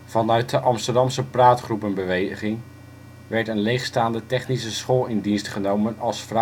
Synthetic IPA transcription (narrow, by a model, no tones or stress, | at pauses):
v̥ɑnœɥt̚dəʔɑmstəɹdɑmsəpraːtχrupənbəʋejχɪŋ | ʋɛɹtənlejχstaːndətɛχnis̬əsχoːlˠɪndinstχənowmənɑlˠsfr